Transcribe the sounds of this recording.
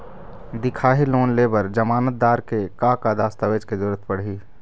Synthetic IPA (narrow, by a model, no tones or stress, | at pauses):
d̪ɪkʰaːɦiloːnleːbəɾd͡ʒəmaːnət̪̚d̪aːɾkekaːkaːd̪aːst̪aʋeːd͡ʒkezʊɾət̪ʰpəɽ̤ɦiː